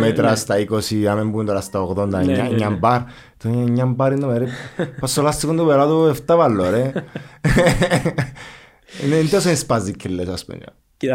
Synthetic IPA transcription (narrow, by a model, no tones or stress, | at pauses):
met̪ɾast̪aikosiamembund̪oɾast̪aoɣðond̪aɲːaɲːambaɾ | t̪oɲɲːambaɾinːomeɾepasolast̪ikund̪uβeɾat̪ueft̪avalːoɾe | neind̪os̬enispazːikʰːelːesaspṵnd͡ʒa̰